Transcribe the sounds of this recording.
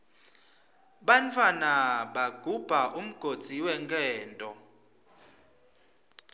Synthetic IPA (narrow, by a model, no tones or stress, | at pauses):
ɓantʰʼwanaɓaɡ̥ʱub̥ʱaʔum̩ɡ̥ʱod̥z̥ʱiwɛŋɡʱʼɛːntʼɔ